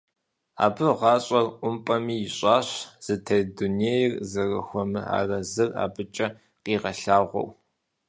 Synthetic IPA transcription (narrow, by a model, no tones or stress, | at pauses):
a̰ːbɨʁɑːɕʼɐrʔʷʊmpʼɐmiːjɪɕʼɑːɕz̥ɨtʰɐduneːjɪrzɐrɐ̰xʷɔmɨa̰ːrɐzɨra̰ːbɨt͡ʃʼɐ | qiːʁɐɬaːʁʷɔ̰w